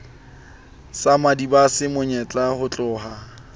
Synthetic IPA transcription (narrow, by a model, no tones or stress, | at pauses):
samadibasɪmʊɲɛt͡ɬʼahʊt͡ɬʼʊːha